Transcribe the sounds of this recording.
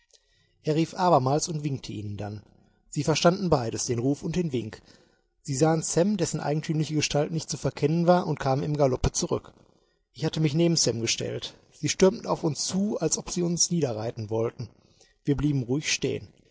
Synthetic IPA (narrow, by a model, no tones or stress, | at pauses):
ʔeːɐʁiːfʔaːβɐmaːlsʊntv̥ɪŋk̚tʰəʔiːnəndan | z̥iːfɛɐʃtandn̩baɪɾəsd̥eːnʁuːfʊnt̚d̥eːnvɪŋk | z̥iːzaːənsɛmdɛsn̩ʔa̰ɪɡŋ̩tʰyːmlɪçəɡəʃtaltnɪçt̚t͡sufɛɐkʰɛnənvaːɐʔʊntkʰaːmənɪmɡalɔpət͡suʁʏ̰k | ʔɪçhatəmɪçneːbm̩sɛmɡəʃtɛ̰lt | z̥iːʃtʏɐmtn̩a̰ʊfʊnst͡suːalsʔɔpz̥iːʊnsniːdɐʁaɪtn̩vɔltn̩ | viːɐbliːbm̩ʁuɪçʃtḛːən